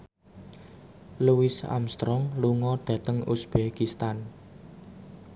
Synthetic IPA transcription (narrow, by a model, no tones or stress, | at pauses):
luwɪsa̰mst̪ɾɔŋluŋɔɖ̥ä̤t̪əŋusb̥ekist̪an